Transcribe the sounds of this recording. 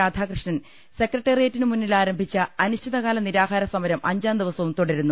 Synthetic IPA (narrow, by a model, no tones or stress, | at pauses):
aːd̪ʱaːkrɨʂɳɐn | se̞krɐʈːɐrijatːinɨmunːilaːɾɐmbʱit͡ɕːɐɐnuɕtʰiðɐɣaːlɐniɾaːɦaːɾɐsɐmɐɾɐmʔɐɲd͡ʑaːnd̪iʋɐsɐʋumt̪oɽɐɾunːu